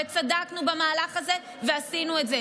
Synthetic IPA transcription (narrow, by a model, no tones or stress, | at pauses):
et͡sad̪aknubamaːlaχaze | veasinuetze